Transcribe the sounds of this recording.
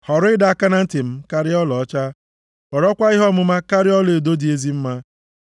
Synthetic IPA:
hɔ˨ɾʊ˦ɪ˦da˨a˦ka˦na˦n̩˦tɪ˨m̩˦ka˦ɾɪ˦ɔ˦lɔ˨ɔ˦t͡ʃa˦ | ɔ˨ɾɔ˦kʷa˦i˦ɦɔ˦˨mʊ˦ma˦ka˦ɾɪ˦ɔ˦le˨do˦di˨e˦zi˦m̩˦ma˦

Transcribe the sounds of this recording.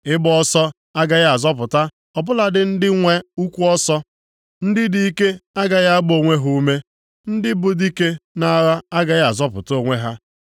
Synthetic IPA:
ɪ˦bʊ˦ɔ˦sɔ˦ | a˦ɡa˨ɣa˦a˨zɔ˦p̬ʊ˨ta˦ | ɔ˨bʊ˦la˨dɪ˨n̩˦dɪ˦ŋʷe˦u˦kʷu˦ɔ˦sɔ˦ | n̩˦dɪ˦di˦i˦ke˦a˦ɡa˨ɣa˦a˦ɡ͡bo˨ŋʷe˦ɦu˦u˦me˦ | n̩˦dɪ˦bʊ˨di˦ke˦na˦˨˦ɾa˦a˦ɡa˨ɣa˨zɔ˦pʊ̰˨to˨ŋʷe˦ɦa˦

